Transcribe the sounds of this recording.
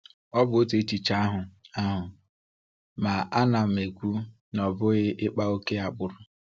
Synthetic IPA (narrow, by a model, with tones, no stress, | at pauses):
ɔ˦bʊ˨o˦te˨˦t͡ʃi˨t͡ʃa˦a˦ɦʊ˨a˦ɦʊ˨ | ma˨a˦na˨m̩˨e˨kʷu˦ | nɔ˨bʊ˦ɣɪ˦ʔɪ˦k͡pa˦o˦ke˦a˨k͡pʊ˨ɾʊ˨